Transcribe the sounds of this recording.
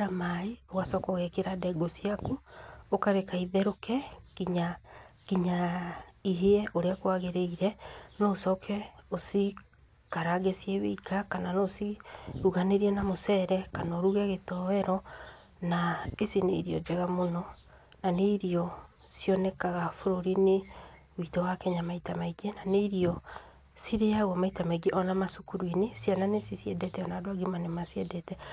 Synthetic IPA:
ɾamaioɣasɔkoɣɛkeɾadɛɡosiakuokaɾekaiðɛɾokɛkiɲakiɲaiɦeɛʔoɾeakwaɣeɾeiɾɛnɔːsɔkʰɛosi | kaɾaɣesjɛβḛikakananosiɾuɣaneɾiɛnamosɛɾɛkanɔɾuɣɛɣetɔɛɾɔ | naesinḛiɾiɔ̰d͡ʒɛɣamonɔ | naneiɾiɔ | sjɔnɛkaɣafoɾoɾine | witɔwakɛɲamaitamaiɡenaneiɾiɔ | siɾejaɣwamaitamaiɡeʔɔnamasukuɾwinesjananesisjɛdɛtɛɔnadowaɡimanemasjɛdɛtɛ

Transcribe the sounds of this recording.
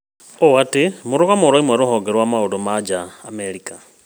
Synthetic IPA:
owatimuɾuɣamoɾoimwaɾohoɡeɾwamaulomad͡ʒaːmeɾika

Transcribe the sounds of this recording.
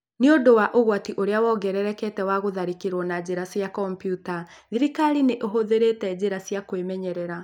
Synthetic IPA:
neodowaʔoɣwatiʔoɾeawɔɡɛɾɛɾɛkɛtɛwaɣoðaɾikeɾwɔnad͡ʑeɾasjakɔmpjuta | ðiɾikaɾineʔoɦoðeɾetɛd͡ʑeɾasjakwemɛɲɛɾɛɾa

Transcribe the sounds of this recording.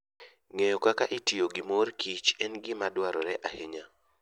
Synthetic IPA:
ŋejokakaʔɪtioɡɪmorkʰit͡ʃɛnɡɪmadwaɾɔɾɛʔaheɲa

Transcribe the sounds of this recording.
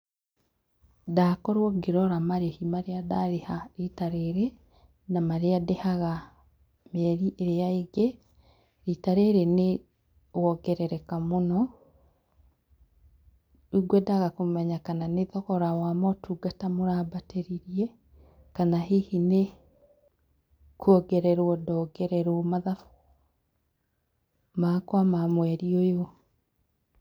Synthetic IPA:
dakɔɾwɔɡeɾɔɾamaɾehimaɾeadaɾehaɾitaɾeɾɛ | namaɾeadehaɣa | mɛɾiʔeɾeaeɡe | ɾitaɾeɾene | wɔɡɛɾɛɾɛkamonɔ | uɡwɛdaɣakomɛɲakananeðɔɣɔɾawamɔtʰuɡatamoɾabateɾiɾiɛ | kanaɦihine | kuɔɡɛɾɛɾwɔdɔɡɛɾɛɾomaðafu̥ | maːkwamamwɛɾiojo

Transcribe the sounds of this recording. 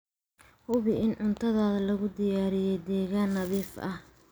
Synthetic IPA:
hʊβɪɪnʕʊnt̪ʰɐðaːðɐlɐɣʊd̪ɪjaːɾɪjɛjd̪ɛːɣaːnːɐðiːfʔɐ̰h

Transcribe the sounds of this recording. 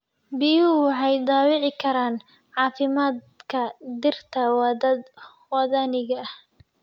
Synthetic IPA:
bijuwɑħɑjd̪ɑːwɪʕɪkʰɐɾaːn | ʕɑːfɪmaːd̪ | kʰɐd̪ɪrt̪ʰɐwdɐd̪ | wɑðanɪɣɐh

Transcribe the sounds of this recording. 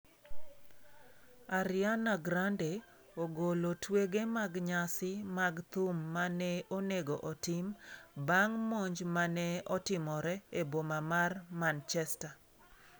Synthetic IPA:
aɾɪanaɡɾande | oɡolotweɡemaɡɲasɪmaɡt̪umːanɛoneɡoʔɔtɪmbaŋmoɲd͡ʒmanɛɔtɪmɔɾɛebomamarmant͡ʃɛsta

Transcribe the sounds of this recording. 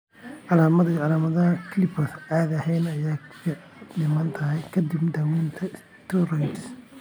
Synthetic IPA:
ʕɑlaːmɐðiʕɑlaːmɐðɐɦɐkʰlɪpʰɐraːðɐhɛjnɐjaːɐnɪmɐːnt̪ʰɐɦɛjkʰɐd̪ibd̪ɐwiːnt̪ʰɐɪs | t̪ʰurajt̪s

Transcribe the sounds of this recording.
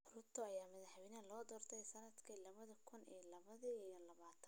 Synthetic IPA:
ʊɾʊt̪ʰɔɐjaːmɐðɐħβɪnɐlɔːd̪ɔːrt̪ʰɛjsɐnɐd̪kʰiːlɐβɐðɐkʰʊnḭːlɐβɐðɐijɔlɐβaːt̪ʰɐn

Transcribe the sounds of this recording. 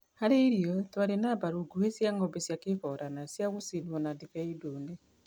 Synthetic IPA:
haɾeɾjɔtwaɾenabaɾuɡuwesjaŋɔbesjakeβɔɾanasjaɣosinɔnadiβeidune

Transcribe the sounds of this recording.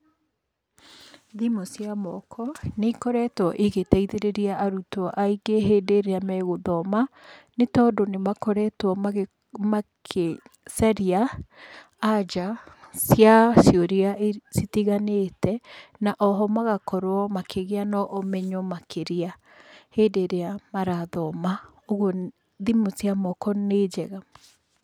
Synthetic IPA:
ðimosjamɔkʰɔnekɔɾɛtwɔʔeɣetɛiðeɾeɾiaʔaɾutɔʔaiɡeɦeːdeɾeamɛɣoðɔmanetɔːdonemakɔɾɛtwɔ | makʰesaɾiaː | d͡ʒasjasjioɾiaʔesitiɣanetʰɛnaʔɔɦɔmaɣakɔɾwɔmakeɣeanɔʔːmɛɲɔmakʰeɾia | hedeɾeamaɾaðɔma | oɣo | ðimosiamɔkɔned͡ʒɛɣa

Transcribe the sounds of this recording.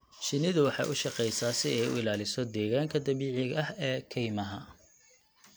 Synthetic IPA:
ʃɪnɪðʊwɑħɑ̰ʔʊʃɑqɛjsaːsɪɛjʊ̰ɪlaːlɪsɔd̪ɛːɣaːŋkʰɐd̪ɐβiːʕɪɣɐhɛːkʰɛjmɐɦɐ

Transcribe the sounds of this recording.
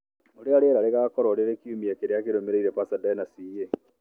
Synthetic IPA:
oɾeaɾeeɾaɾeɣakɔɾaoɾeɾekiumiekeɾeakeɾomeɾeiɾepasadanasie

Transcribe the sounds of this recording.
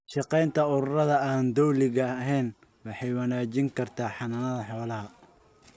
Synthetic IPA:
ʃɑqɛjnt̪ʰɐʊɾʊrɐðɐaːnd̪ɔwlɪɣɐɦɛjn | wɑħɑjwɑnaːt͡ʃɪŋkʰɐrt̪ʰaːħɑnɐnɐðɐħɔːlɐɦɐ

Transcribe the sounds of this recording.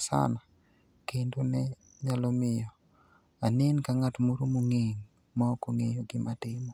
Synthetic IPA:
sa̰na | kendonɛ | ɲalɔmɪjɔ | anenkaŋatmoɾomoŋeŋ | makoŋejoɡɪmatɪmɔ

